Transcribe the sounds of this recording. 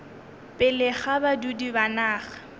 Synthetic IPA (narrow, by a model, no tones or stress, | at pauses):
pʼɪlɪχabadudibanaːχḁ